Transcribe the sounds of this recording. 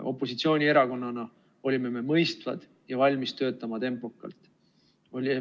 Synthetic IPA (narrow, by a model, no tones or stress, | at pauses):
ʔo̞̰pːˑo̞sit̪sio̞ːnʲie̞ɾɑko̞nːɑnɑ | o̞lʲime̞me̞mɤjst̪vɑ̰d̪̥ | jɑvɑlʲmist̪ø̞ːt̪ːˑɑmɑt̪e̞mpˑo̞kːˑɑ̰lt̪ːˑ | o̞lʲi